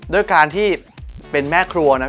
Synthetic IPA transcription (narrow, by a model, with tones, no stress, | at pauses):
du˥˩əjkaː˧nt̪ʰiː˥˩pe˧nmɛː˥˩kʰɾu˧ɐna˦˥p